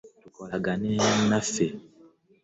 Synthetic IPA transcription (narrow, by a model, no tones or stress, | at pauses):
tukɔlaɡanĩannafe